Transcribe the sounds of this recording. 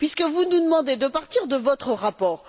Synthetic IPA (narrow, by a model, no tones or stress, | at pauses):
pɥiskəvunud̪əmɑ̃d̪ed̪əpaʁt̪iʁd̪əvɔt̪χəʁapɔːʁ